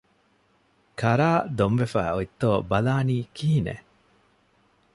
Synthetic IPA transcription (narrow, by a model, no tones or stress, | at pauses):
kɐɾaːd̪omʋefæ̰ːoit̪ːoːbɐlaːniːkʰiɦinḛ